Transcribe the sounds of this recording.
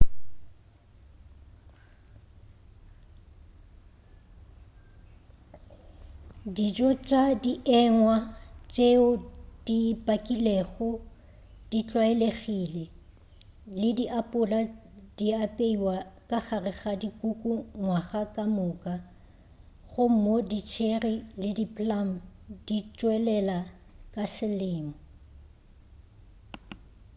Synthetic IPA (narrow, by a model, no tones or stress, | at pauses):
did͡ʒʼɔt͡ʃʼadiʔɛŋwat͡ʃʼeʊd̥ipʼakʼileɣʊ | d̥it͡ɬʼwaeleɣile | lɪdiʔapʼʊladiapʼeiwakʼaχarɪɣadikʼukʼuŋwaɣakʼamʊːkʼa | ɣʊm̩modit͡ʃʰerilɪdipʰʼlam̩dit͡ʃʼwɛlɛla | kʼasɪlɪːmʊ